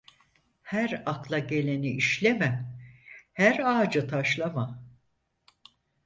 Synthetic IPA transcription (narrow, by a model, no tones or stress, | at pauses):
hæɾaklˠaɟe̞lʲe̞niʔiʃlʲemɛ | hæɾaːd͡ʒɯt̪ʰaʃlˠama